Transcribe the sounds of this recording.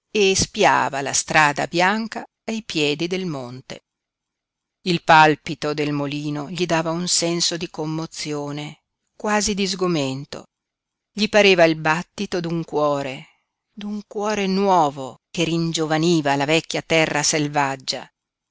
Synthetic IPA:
espja̰ːva̰la̰st̪ɾaːd̪a̰bjaŋka | ajpjɛːd̪id̪elmont̪ḛ | ilpalpit̪od̪elmoliːnoʎid̪aːvaunsɛnsod̪ikomːot̪sːjoːne | kwaːzid̪izɡoment̪o̰ | ʎipaɾeːvailbat̪ːit̪od̪uŋkwɔːɾe | d̪uŋkwɔːɾenwɔːvokeɾind͡ʒovaniːvalavɛkʲːjat̪ɛrːaselvad͡ʒːa̰

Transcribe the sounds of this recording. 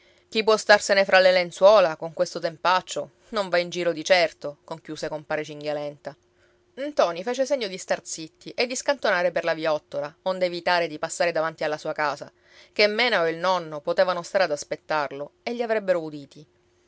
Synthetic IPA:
k̟ipwɔst̪arsenefɾʔalelenswɔːlakoŋkwest̪ot̪empat͡ʃːo | noɱvaind͡ʒiːɾod̪it͡ʃɛrt̪okoŋkjuːsekompaːɾet͡ʃiŋɡjalɛnt̪a | nt̪ɔːnifeːt͡ʃeseɲːod̪ist̪art̪sit̪ːiʔed̪ːiskant̪onaːɾeperlaviɔt̪ːoɾaond̪evit̪aːɾed̪ipasːaːɾed̪avant̪ialːasuːakaːza̰ | kemːɛːnaoilnɔnːopot̪eːvanost̪aɾead̪aspet̪ːarloeʎːiavɾɛbːeɾoud̪iːt̪i

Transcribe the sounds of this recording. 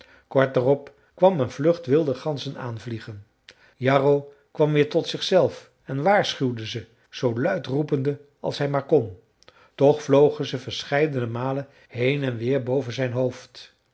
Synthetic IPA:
kɔɹt̚darɔp | kʋɑmənvlɵχtʋɪlˠdəχɑnzəna̰ːnvliχən | jɑrow | kʋɑmʋɪːɹtɔtsɪχsɛlˠf | ɛnʋaːɹsχywdəzə | z̥owlœɥtrupəndə | ɑ̰lˠsɦɛjmaːɹkɔn | tɔχflowχənzəvəɹsχɛjdənəmaːlən | ɦejnɛnʋɪːɹbowvənzɛjnɦowft

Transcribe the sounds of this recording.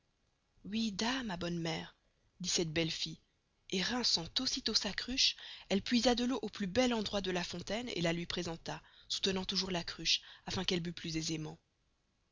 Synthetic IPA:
wid̪amabɔnmɛːʁ | d̪isɛt̪̚bɛlfi | eʁɛ̃sɑ̃t̪osit̪osakχyʃɛlpɥizad̪əloʔoplybɛlɑ̃d̪ʁwad̪əlafɔ̃t̪ɛnḛlalɥipχezɑ̃t̪asu̥t̪ənɑ̃t̪uʒuʁlakχyʃafɛ̃kɛlbyplyzezemɑ̃

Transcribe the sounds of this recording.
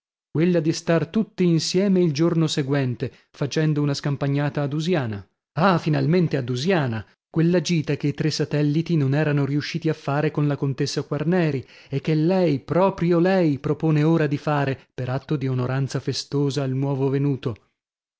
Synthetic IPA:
kwelːad̪ist̪art̪ut̪ːiːnsjɛːmeild͡ʒornoseɡwɛnt̪e | fat͡ʃɛnd̪ounaskampaɲːaːt̪aːd̪uzjaːna | afinalment̪ead̪uzjaːna | kwelːad͡ʒiːt̪akeit̪ɾesːat̪ɛlːit̪inonɛːɾanoɾiuʃːiːt̪iafːaːɾekonlakont̪esːakwarnɛːɾiek̟ːelːɛjpɾɔːpɾjolɛjpɾopoːneoːɾad̪ifaːɾepeɾat̪ːod̪ionoɾant̪safest̪oːzaːlnwɔːvovenuːt̪o

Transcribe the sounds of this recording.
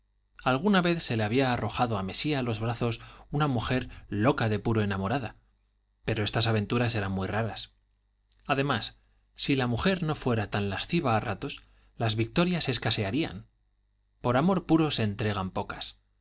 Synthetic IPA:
alɣ̞unaβe̞θse̞leaβ̞iaːro̞xaðoame̞sialo̞zβɾaθo̞sunamuxe̞ɾlo̞kaðe̞puɾo̞enamo̞ɾaða | pe̞ɾo̞e̞st̪asaβ̞e̞nt̪uɾase̞ɾanmujraɾas | aðe̞masː | ilamuxe̞ɾno̞fwe̞ɾat̪anlasθiβ̞aːrat̪o̞s | lazβik̚t̪o̞ɾjase̞skase̞aɾia̰n | po̞ɾamo̞ɾpuɾo̞se̞ːnt̪ɾe̞ɣampo̞kas

